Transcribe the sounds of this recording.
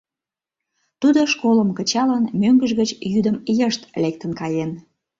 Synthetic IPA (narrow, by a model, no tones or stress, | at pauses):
t̪ud̪oʃkoləmkət͡ɕɑlɑnmøŋɡəʒɣət͡ɕjyd̪əmjəʃt̪lek̚t̪ənkɑjen